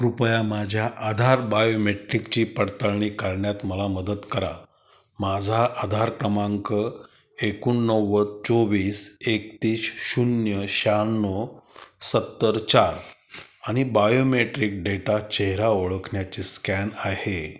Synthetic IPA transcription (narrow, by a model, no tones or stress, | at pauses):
ɾupjamad͡ʑʱjaʔad̪ʱaɾbajomeʈɾikt͡ɕiːpəɽt̪əɭɳiːkaɾɳjat̪məlaməd̪əd̪kəɾa̰ | mad͡zʱaʔad̪ʱaɾkɾəmãŋkə | ekunːəʋːət͡soʋiːsekt̪iːɕɕunjəɕanːosət̪ːəɾt͡ɕaɾaɽ̃ibajomeʈɾik̚ɖeʈat͡ɕeɦɾaoɭəkʰɳjat͡ɕiːskænahe